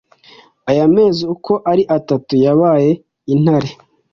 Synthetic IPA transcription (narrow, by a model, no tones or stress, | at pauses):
ajame̞ːzeuko̞ʔaɾiʔatatujaβaːje̞ | in̥haɾe